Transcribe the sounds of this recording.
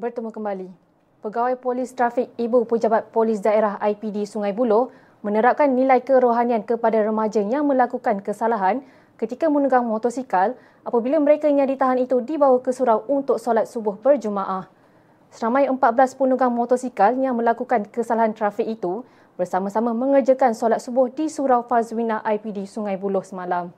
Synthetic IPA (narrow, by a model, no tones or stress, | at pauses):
bərt̪əmukəmbali | pəɡawajpolɪst̪ɾafɪk̚ibupəd͡ʒabat̪̚polɪs̬daeɾaɦajpidisuŋãjbulʊh | mə̃nəɾap̚kanːĩlajkəɾoɦaniankəpadaɾəmad͡ʒəjaŋmə̃lakukankəsalaɦan | kət̪ikamənuɡaŋmot̪ɔsikal | ʔapabilamə̃ɾekaɲãdit̪aɦanit̪udibawakəsuɾawunt̪ʊk̚solat̪̚subʊhbərd͡ʒumãʔah | səɾamãjəmpat̪̚bəlaspunuɡaŋmot̪ɔsikaljaŋmə̃lakukankəsalaɦant̪ɾafɪk̚it̪u | bərsamãsamãmə̃ŋərd͡ʒəkansolat̪̚subʊhdisuɾawfaswinãʔajpidisuŋãjbulʊhsəmãlam